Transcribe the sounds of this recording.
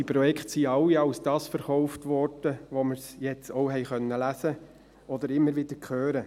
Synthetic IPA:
ipɾɔjɛkχtsiɑwiɑwsd̥ɑːsfəɾχɔʊftʋɔɾd̥əʋoməɾsjɛt͡soʊɦɛɪχœnːəlæsə | ɔd̪əɾɪmːəɾʋɪd̥əɾkʰχøːɾə

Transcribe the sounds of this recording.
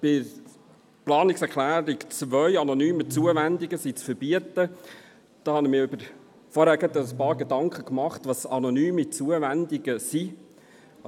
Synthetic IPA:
b̥ɪ | plɑːnɪksɛɾklæːɾikt͡svœʏɑnɔnyːmət͡suəvænd̪ɪɡəsit͡sfəɾbiətə | d̪̥ɑːhɑnimiːɾʏbəɾ | fɔɾhæːɾɡɑt̪əəspɑːɾɡedɑŋkχəkmɑχtʋɑsɑnɔnyːmit͡suəvænd̪ɪɡ̥əsi

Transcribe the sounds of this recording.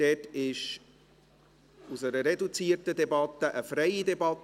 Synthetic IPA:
d̥ɛːtɪʃ | usəɾəɾɛdut͡siːətədɛbɑt̪əʔəfɾɛjidɛbɑt̪

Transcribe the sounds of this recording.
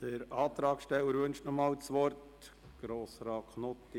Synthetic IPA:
d̥əɾɑːt̪ɾɑːkʃtɛwəɾvɵnʃtnɔmɑːlt͡sʋɔrt | ɡ̥ɾoːsɾɑːkχnɔt̪ːi

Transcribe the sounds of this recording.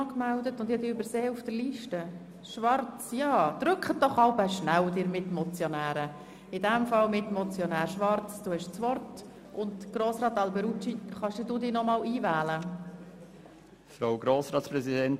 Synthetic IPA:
kmældətʊnd̥idiːybəɾseːufd̥əɾliʃtə | ʃʋɑɾt͡sjɑːd̪̥ɾʏkχət̚d̥ɔχɑʊbəʃnæwd̥ɪːɾmɪtmɔt͡sjɔnæːɾə | ɪdɛmfɑlmɪtmɔt͡sjɔnæːɾʃʋɑrt͡sd̥uːhɛʃt͡sʋɔrt | ʔʊntɡ̥ɾoːsɾɑːt̪ɑlbɛɾut͡ʃiχɑʃdɪduːdiːnɔmɑːliːvæːlə | fɾaʊɡɾoːsɾɑːtspɾɛzidɛnt

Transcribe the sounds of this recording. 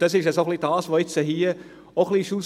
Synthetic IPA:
d̥ɑsɪʃɛsoχlid̥ɑːsʋoɪt͡səɦiːə | oχliʃus

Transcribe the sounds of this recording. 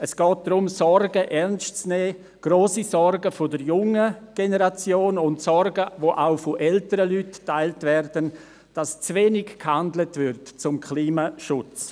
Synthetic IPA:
əsɡ̥ɔːt̚d̥ɾʊmsɔɾɡəʔɛɾnstt͡snɛː | ɡ̥roːsisɔrɡəfodəɾjʊŋəɡ̥enəɾat͡sjoːnʊntsɔɾɡəvoʔaʊfoʔɛltəɾəlyttːaɪltvɛrdən | d̥ast͡sveːnɪɡkhandlətvʏɾtt͡sʊmkʰliːmaʃʊt͡s

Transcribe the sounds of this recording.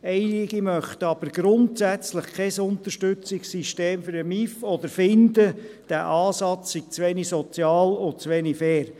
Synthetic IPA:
ɛɪlɪɡ̥imœχt̪əɑb̥əɾɡ̥ɾʊntsæt͡sləχkʰɛsʊnt̪əɾʃtʏt͡sɪksiʃteːmfʏɾəmifɔd̪əɾfɪnd̪əd̥æʔɑːsɑt͡ssiɡ̥̚t͡sʋɛnisɔt͡sjɑːlʊnt͡sʋenifɛːɾ

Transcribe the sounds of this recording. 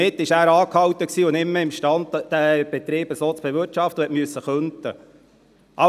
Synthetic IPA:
ɪt̪ːɪʃæːɾɑːkhɑwt̪əksiːʊnɪmːəɪmʃtɑndd̥̪æb̥ɛt̪ɾiːbəsoːt͡sb̥ɛvɪɑft̪əhɛtmyəsːəχønt̪ə | ʔɑ

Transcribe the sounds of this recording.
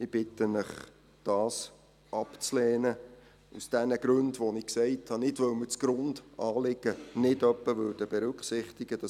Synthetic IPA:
ɪb̥ɪtənɪχ | d̥ɑːs | ʔɑpt͡slɛːnə | usd̥ɛnəɡ̥ɾʉndʋonɪksɛɪthɑnɪdʋœwmət͡sɡ̥ɾʊndʔɑːlɪɡ̥ənɪdœpːəvʏːd̥əb̥ɛɾʉkχsɪχtɪɡ̥əd̥ɑ

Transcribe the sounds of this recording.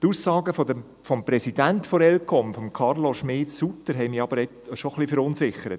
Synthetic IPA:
t̪uːsːɑːɡəfodə | fɔmpɾɛsid̥ænt̪fɔɾɛlkʰɔmfɔmkʰɑrloʃmɪːtsutəɾɦɛɪmiɑb̥əɾɛtʃoχlifəɾʊnsɪχːəɾət

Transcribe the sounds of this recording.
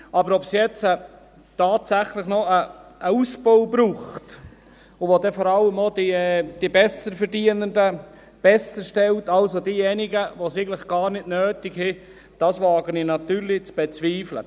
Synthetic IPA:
ɑbəɾɔpsjɛt͡sə | tɑːtsæχlɪχnɔəʔːusb̥owbɾuːχt | ʊʋodɛfɔɾɑlːəmodid̥ibɛsəɾfəɾdiənəndə | b̥ɛsəʃtɛltɑlsodiːjɛnɪɡəʋosɪɡəlɪχɡ̥ɑːɾnɪtnøːtɪɡhɪ | d̥ɑsʋɑːɡəninɑt̪yːɾlɪt͡sb̥ɛt͡sʋiːflə̰

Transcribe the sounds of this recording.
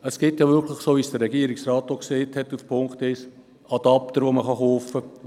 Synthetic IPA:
əsɡ̥ɪtjɑʋʏɾkʰlɪχsoːʋisd̥əɾɛɡ̥iəɾiksrɑːtːoksɛːthɛtːufpʰoŋktɪs | ɑd̥ɑpt̪əɾʋoməχɑχoːfə

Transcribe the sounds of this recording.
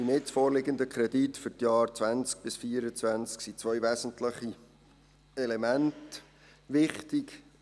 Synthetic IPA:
d̥inɪsfoːɾlɪɡənd̪əkʰɾɛditfʏɾtjɑːrt͡svænt͡sk̚b̥ɪsfiːəɾət͡svænt͡sksit͡sʋœʏvæsən̩tləχi | ɛlɛmænt | ʋɪχtɪk

